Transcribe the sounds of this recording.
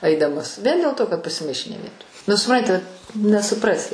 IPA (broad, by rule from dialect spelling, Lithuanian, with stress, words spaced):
ˈɐɪdɐmɐs ˈʋʲiɛn dʲeːlˠ ˈtoː kɐt pɐsʲɪˈmɐɪʃʲeː nʲɛ ˈʋʲiɛtoːj nʊ sʊˈprɐnʲtʲɪ nʲɛsʊˈprɑːsʲɪ